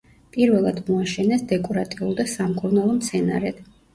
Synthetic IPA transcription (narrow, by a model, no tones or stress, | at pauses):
pʼiɾvɛlˠad̪mɔaʃɛnɛsd̪ɛkʼɔɾat̪ʼiulˠd̪asamkʼuɾnalˠɔmt̪sʰɛna̰ɾɛd̪̥